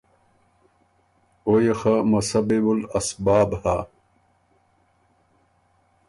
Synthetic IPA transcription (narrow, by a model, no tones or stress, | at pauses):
ojexamɐsɐbibulɐsbaːbha